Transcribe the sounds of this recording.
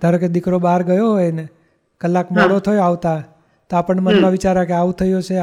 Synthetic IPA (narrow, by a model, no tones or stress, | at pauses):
d̪̥ʱaɾoked̪ikɾobaɾɡəjoɦojne | kəlːakmɔɽot̪ʰəjoaʋt̪a | t̪oapəɳmənʋãʋit͡ʃaɾakeaʋũt̪ʰəjot͡ʃʰe